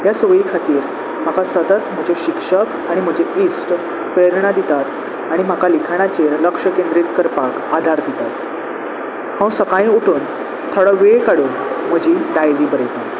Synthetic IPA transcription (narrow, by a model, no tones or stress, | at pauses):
jasʋəikʰat̪iːɾ | m̤akasət̪ət̪m̤əd͡ʑʱeɕikʂək | aɽ̃im̤əd͡ʑeisʈ | peɾɳad̪it̪at̪ | aɽ̃im̤akalikʰaɽ̃at͡ɕeɾləkʂəkẽnd̪ɾit̪kəɾpak | ad̪ʱaɾd̪it̪at̪ | hãw̃səkaĩuʈʰuːn | t̪ʰoɽɔʋekaɽunm̤əd͡ʑiːɖajliːbəɾjt̪i